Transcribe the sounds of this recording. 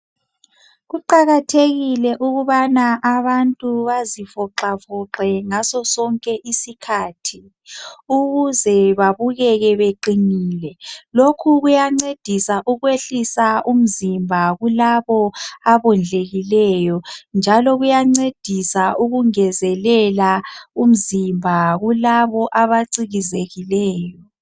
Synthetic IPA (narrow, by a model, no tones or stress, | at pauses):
ɣuǃaɣatʰeɣilɛʔuɣuβanaʔaβantʼuβazifɔǁafɔǁɛŋasɔsɔŋkʼɛʔisikʰaːtʰi | uɣuzɛβaβuɣɛɣɛβeǃiniːlɛlokʰuɣujaŋ͡ǀed̥ʱisaʔuɣweɬisaʔum̩zimbʱaɣulaβɔaβɔnd͡ɮʱeɣilɛjɔnd͡ʒʱalɔɣujaŋ͡ǀed̥ʱisaʔuɣuŋɛzɛlɛlaum̩zimbʱaɣulaβɔʔaβaǀiɣizeɣilɛːjɔ